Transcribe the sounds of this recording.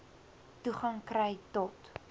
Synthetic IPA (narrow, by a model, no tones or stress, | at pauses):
tuχɐŋkrɛjtɔt